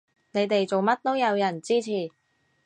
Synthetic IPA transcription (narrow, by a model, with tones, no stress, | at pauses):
ne˨˧jt̪e˨jt͡so˨wmɐ˥t̚t̪o˥wjɐ˨˧wjɐ˨˩nt͡siː˥t͡sʰiː˨˩